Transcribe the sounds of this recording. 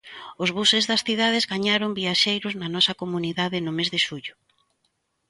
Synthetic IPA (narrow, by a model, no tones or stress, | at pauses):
ʊzβusɪzðɐsθiðað̞ɪzɣaɲaɾombiaʃejɾʊznɐnɔsɐkomuniðaðɪnʊmezðɪʃuʎʊ